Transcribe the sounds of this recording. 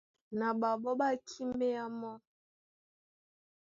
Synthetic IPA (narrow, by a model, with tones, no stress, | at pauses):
na˨ɓa˨ɓɔ˦ɓa˦t͡ʃi˦me˦a˦mɔ˦